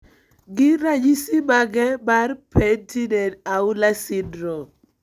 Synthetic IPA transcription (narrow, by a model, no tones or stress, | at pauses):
ɡɪɾad͡ʒisimaɡɛbarpʰentidɛtaʊlasindɾɔ